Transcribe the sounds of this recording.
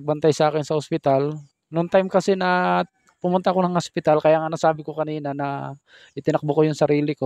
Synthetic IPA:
ɐɡ̚bɐnt̪ajsɐʔaːkɪnsɐhospɪt̪al | noŋt̪ajmkɐsɛnɐ | pʊmʊnt̪aʔko̞nɐŋhospɪt̪alkɐjaːŋanɐsaːbɪkokɐniːnɐnɐ | ʔɪt̪ɪnɐk̚bokojʊŋsɐɾiːlɪko̞

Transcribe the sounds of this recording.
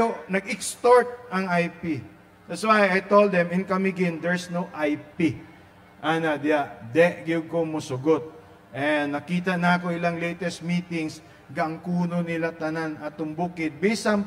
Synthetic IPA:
onɐɡɪkst̪oɹt̪̚ʔɐŋajpi | d̪̥ɐt̪swajɐjt̪old̪ɛmɪnkɐmɪɡɪnd̪ɛɹsnowʔajpi | ʔanɐd̪ɪjaʔd̪ɛʔɡɪb̚komʊsʊɡot̪̚ | ʔɛnːɐkiːt̪ɐnɐɐko̞ɪlaŋlɛjt̪ɛst̪̚miːt̪ɪŋs | ɡɐʔɐŋkuːnonɪlat̪ɐnanɐt̪ʊmbuːkɪd̪̚bɛsɐm

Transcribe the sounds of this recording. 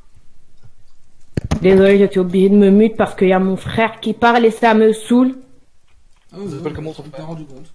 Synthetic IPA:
d̪ezɔleʒəsɥiobliʒed̪əməmyt̪̚paʁsə̥kəiljamɔ̃fχɛʁkʲipaʁlefamøsul

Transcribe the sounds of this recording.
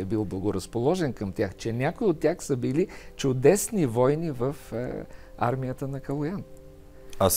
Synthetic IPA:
ɛbilˠblˠɐɡʊɾəspolˠɔʒɛnkəmt̪ʲaxt͡ʃɛnʲakoiot̪ʲːjaxsəbilit͡ʃʊd̪ɛsnivɔjnivəf | a̰ɾmijət̪ənɐkɐlˠʊjan | as

